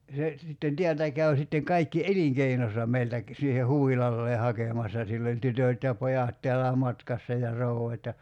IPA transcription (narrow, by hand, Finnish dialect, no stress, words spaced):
se sitːen tiæltæ kæy̞ sitːeŋ kɑikːi eliŋkeinosɑ meiltæ k siːhe huʋilɑlːeː hɑkeˑmɑsːɑ silː olʲ tytøˑt jɑ pojɑt teælːæː mɑtkɑsːɑ jɑ rouɑt jɑ